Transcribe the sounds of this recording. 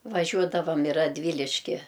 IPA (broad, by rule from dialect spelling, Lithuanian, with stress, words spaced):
ʋɐˈʒʲuɔdɐʋɐm ɪ rɐdʲˈʋʲiːlʲɪʃʲkʲɪ